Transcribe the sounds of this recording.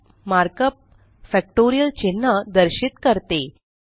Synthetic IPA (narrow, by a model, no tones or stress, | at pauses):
maɾkəp̚ | fɛk̚ʈoɾijəlt͡ɕinːəd̪əɾɕit̪kəɾt̪e